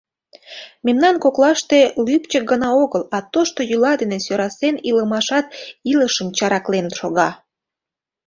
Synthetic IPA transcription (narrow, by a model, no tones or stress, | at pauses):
memnɑnkoklɑʃt̪elypt͡ɕək̚ɡənɑoɣəlɑt̪oʃt̪ojylɑd̪enesøɾɑseniləmɑʃɑt̪̚iləʃəmt͡ɕɑɾɑklenəʃoɣɑ